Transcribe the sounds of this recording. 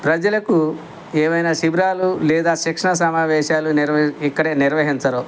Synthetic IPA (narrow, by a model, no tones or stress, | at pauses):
pɾɐd͡ʒɐlɐku | ɛːʋɐjnaːʃibɾaːlulɛːd̪aːʃɐkʂɐɳɐs̬ɐmaːʋɛːʃaːluniɾikːɐɽeːniɾʋɐɦiɲt͡ʃɐɾo